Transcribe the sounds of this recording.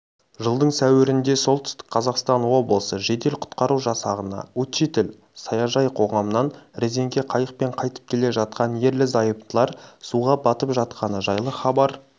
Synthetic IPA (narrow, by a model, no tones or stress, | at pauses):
ʒəlˠd̪əɴsæwɪɾɪnd̪e̞so̞lˠt̪ʰʏ̥st̪ɪ̥k̚ʲqʰɑzɑqst̪ɑnwo̞blˠəsəʒe̞d̪e̞lqʰʊ̥t̪qɑɾuʒɑsɑʁənɑ̰wɵt̪t͡ʃet̪ɪl | sɑjɑʒɑjqʰo̞ʁɑmənɑnɾeze̞ŋɡʲe̞qʰɑjəq̚pe̞ɴqʰɑjt̪ə̥p̚kʲʰe̞le̞ʒɑt̪̚qɑnje̞ɾlɪzɑjəp̚t̪əlˠɑɾsuʁɑbɑt̪əpʒɑt̪qʰɑnəʒɑjlˠəχɑbɑɾ